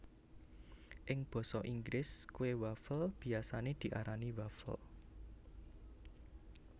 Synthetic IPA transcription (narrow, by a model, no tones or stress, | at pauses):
ʔɪŋb̥ɔ̤sɔʔiŋɡɾɪskuwewafəlb̥i̤asaned̪̥i̤ʔaɾaniwafə̰l